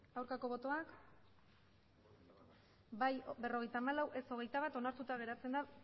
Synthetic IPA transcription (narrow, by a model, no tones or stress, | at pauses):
awɾkako̞βo̞t̪o̞ak | bajbe̞ro̞ɣ̞e̞jt̪aːmalawʔe̞so̞ɣ̞e̞jt̪aβ̞at̪o̞naɾt̪ut̪aɣ̞e̞ɾat͡se̞nd̪a